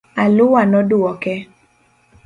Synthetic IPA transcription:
alʊwanɔdʊɔkɛ

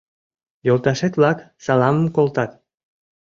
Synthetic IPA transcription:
jolˠt̪ɑʃet̪βlɑk | sɑlɑməmkolˠt̪ɑt̪

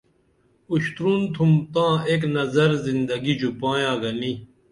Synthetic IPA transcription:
uɕt̪ɾuːnt̪ʰumt̪ãːeːk̬nɐzɐɾzind̪ɐɡid͡ʑupãːjãːɡɐni

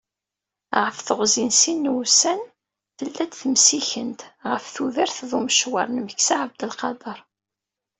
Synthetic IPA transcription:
ʁəfθəʁzinsinːsæn | θəlːæd̪θəmsiçənt̪ʁəfθuðəɾθðˤuməʃwə̰ɾˤnməçsaʕəbd̪əlqɑd̪ˤɑɾˤ

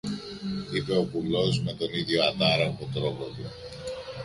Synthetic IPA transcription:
ipe̞o̞pulo̞zme̞t̪o̞niðʝo̞ɐt̪ɐɾɐɣot̪ɾo̞pot̪u

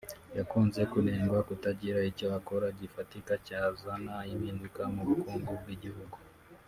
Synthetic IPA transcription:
jakunzɛkunɛmɡakutad͡ʒiɾahit͡ʃɔwakɔɾaɟifatikat͡ʃaːzanaiminukamuukuŋɡuɡiʄihuɡɔ

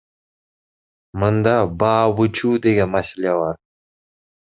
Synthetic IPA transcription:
mɯnd̪ɑbɑːβɯt͡ʃʰuːd̪e̞ɡʲe̞nmaselʲebɑɾ

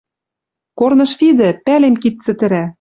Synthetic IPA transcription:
kornɤ̆ʃfid̪ɘ̆pælemkit̪ːt͡sɘ̆t̪ɘ̆ɾæ

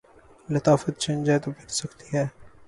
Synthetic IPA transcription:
lɪt̪aːfət̪̚t͡ʃẽːnd͡ʒet̪opɪɾsɐkt̪iɦɛː

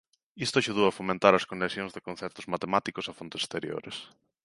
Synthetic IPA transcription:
ist̪ʊaʃuð̞owɐfomẽnt̪aɾɐskonesjõŋzðekõnθɛpt̪ʊzmat̪emat̪ikʊsafont̪ɪse̥st̪eɾjo̰ɾḛs

